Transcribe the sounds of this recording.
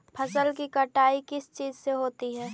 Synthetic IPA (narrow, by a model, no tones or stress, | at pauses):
pʰɐsəlk̬ikɐʈaːikɪst͡ʃiːzseɦoːt̪iɦɛː